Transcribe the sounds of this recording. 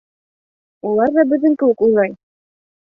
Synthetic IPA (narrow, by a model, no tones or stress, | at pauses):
ulˠɑɾðɑbɵ̆ðɘ̆ŋkɘ̆ɘkujlˠɑj